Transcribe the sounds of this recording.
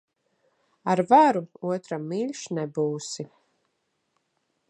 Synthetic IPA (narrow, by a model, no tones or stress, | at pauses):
aɾvaɾuuɔt̪ɾamːilʲʃnɛbuːsi